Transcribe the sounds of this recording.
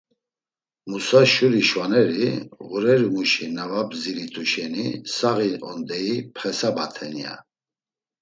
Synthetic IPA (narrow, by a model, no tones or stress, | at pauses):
musaʃuɾiʃvanɛɾiʁuɾɛɾimuʃinavabziɾit̪ʰuʃɛnisaɣiɔ̰nd̪ɛipʰχɛsabat̪ʰɛnia̰